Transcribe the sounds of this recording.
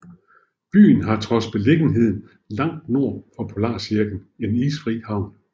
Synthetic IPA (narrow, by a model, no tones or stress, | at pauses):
b̥y̰ːn̩ɦɑ̈t͡sʰʁɒ̽sb̥e̝le̝ɡ̥n̩ɦe̝ð̞̰ˠn̩ | lɑ̈ŋ̰d̥no̝ɐ̰fɒ̽pʰo̝lɑ̰̈ːsiɐɡ̥n̩e̝niːsfʁḭːhɑ̈ʊ̰n